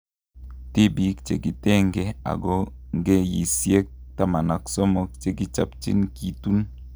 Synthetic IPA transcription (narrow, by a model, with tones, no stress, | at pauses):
ti˦bi˨˦kt͡ʃḛ˨ki˦te˦ŋ˦ɡe˦a̰˨ɡɔ˦ŋ˦ɡe˦jḭ˨sje˦k̚ta˦ma˨na˨ksɔ˦mɔ˨k̚t͡ʃe˦ki˦t͡ʃa̰˦p̚t͡ʃḭ˦nki˦tu˦n